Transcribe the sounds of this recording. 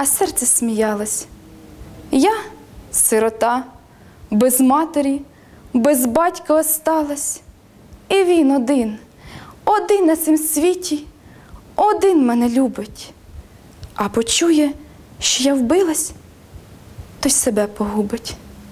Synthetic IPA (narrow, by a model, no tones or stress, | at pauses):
ɐsɛrt̪sɛsʲmʲijɑlˠɐsʲ | jasɪɾɔt̪ɑ | bezmɑt̪eɾʲi | bezbɑtʲkɐːst̪ɑlˠɐsʲ | iʋʲinɔd̪ɪn | ɔd̪ɪnːɐt̪sɪmsʲʋʲitʲi | ɔd̪ɪnmɛnɛlʲubɪtʲ | ɐbɔt͡ʃujɛ | ʃt͡ʃɔjawbɪlˠɐsʲ | t̪ɔjʲsebɛpɔɦubɪtʲ